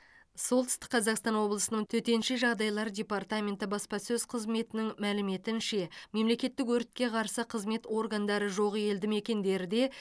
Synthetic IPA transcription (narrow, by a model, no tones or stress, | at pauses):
so̞lˠt̪ʏ̥st̪ɪ̥k̚qʰɑzɑqst̪ɑnwo̞blˠəsənəɴt̪ʰɵt̪e̞nʃɪʒɑʁd̪ɑjlˠɑɾd̪ʲe̞part̪amʲe̞nt̪ɪbɑspɑsɵzqʰəzme̞t̪ɪnɪŋmælɪme̞t̪ɪnʃe̞me̞mle̞kʲe̞t̪ːɪkwɵɾɪt̪̚kʲe̞qʰɑɾsəqʰəzme̞t̪o̞rɡand̪ɑɾəʒo̞ʁəje̞ld̪ɪme̞kʲe̞nd̪e̞ɾɪd̪e̞